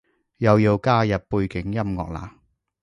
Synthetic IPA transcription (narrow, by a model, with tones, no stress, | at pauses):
jɐ˨wjiː˧wkaː˥jɐ˨p̚puː˧jkɪ˨˥ŋjɐ˥mŋɔ̰ː˨k̚la̰ː˨˥